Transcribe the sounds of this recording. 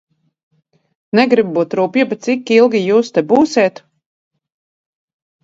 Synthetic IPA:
nɛɡɾibbuːt̪ɾuːpjibɛt̪sikːilˠɡʲijuːst̪ɛbuːseːt̪

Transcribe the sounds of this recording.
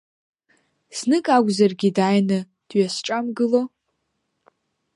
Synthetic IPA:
snɨkʼaɡʷzarɡʲidajnɨ | d̥ɥasʈ͡ʂʼamɡɨlo

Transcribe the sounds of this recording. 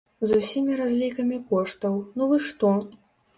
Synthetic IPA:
zusʲimʲiɾazʲlʲikɐmʲikɔʂt̪ɐwnuvɨʂt̪ɔ

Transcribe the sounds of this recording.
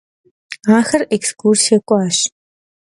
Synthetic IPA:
aːxɐrekskʰursɐkʷʼaːɕ

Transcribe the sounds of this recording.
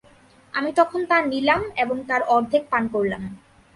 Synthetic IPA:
amit̪ɔkʰont̪anilameboŋt̪aɾɔɾd̪ʱek̚pankoɾlam

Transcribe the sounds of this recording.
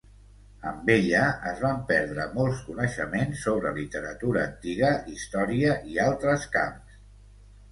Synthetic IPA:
əmbeʎəəzβampɛɾðɾəmɔlˠskunəʃəmensːoβ̞ɾəlit̪əɾət̪uɾəːnt̪iɣəʔist̪ɔɾiəʔialˠt̪ɾəska̰ms

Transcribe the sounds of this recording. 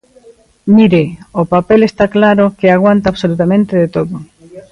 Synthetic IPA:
miɾeopapelest̪aklaɾokeaɣ̞want̪aːβsolut̪amẽnt̪eðet̪oðo

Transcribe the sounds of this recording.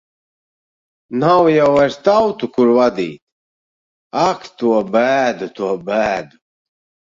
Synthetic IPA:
nawjawaɾt̪awt̪ukuɾvad̪iːt̪ | akt̪uɔbæːd̪ut̪uɔbæːd̪u

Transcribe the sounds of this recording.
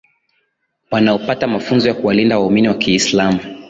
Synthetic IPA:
wanaɔpatamafunzɔjakuwalindawauminiwakiːslamu

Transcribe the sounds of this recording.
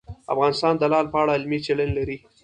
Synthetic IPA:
a̰fɣɑnɪst̪ɑnd̪əlɑlpəaɽaɪlmit͡ʃelənlaɾi

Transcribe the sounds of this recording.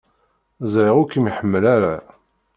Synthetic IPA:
zʕɪʁʊkimiħəmːəlaɾa

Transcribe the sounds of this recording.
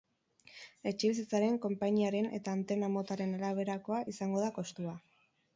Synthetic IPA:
e̞t͡ʃe̞βis̬it͡saɾe̞ŋko̞mpaɲiaɾe̞ne̞̰t̪aːnt̪e̞namo̞t̪aɾe̞nalaβ̞e̞ɾako̞aʔisaŋɡo̞ð̞ako̞st̪ua

